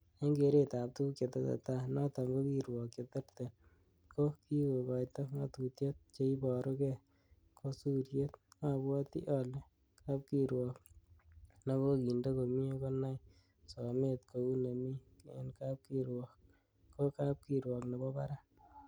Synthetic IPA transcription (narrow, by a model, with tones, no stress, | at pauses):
a˦ŋɡe˨˦ɾe˦ta˨p̚tu˦kje˨t̪e˦sa̰˨ta˦nɔ˦tɔ˨ŋɡo˦ki˨ɾwɔ˨k̚t͡ʃe˨te˦rt̪e˨ | ko˦ki˦ko˨kɔ˨jtɔ˦ŋa˨tu˨tje˦t̪̚t͡ʃe˧i˦bɔ˨ɾo˦kɛ˦ | kʰo˦su˦ɾje˦t̪ŋa˦bwɔ˦t̪ḭ˦ʔɔ˨le˦ | ka˦p̚ki˦ɾwɔ˨k | ne˦ko˦ki˨nde˦ko˨mi˦e˦ko˦na˦j | sɔ˨me˦t̪kʰo˨u˦ne˨mi˦ḛ˦nka˦p̚ki˦ɾwɔ˨k | ko˦ka˦p̚ki˨ɾwɔ˨kne˨bɔ˦ba˦ɾa˦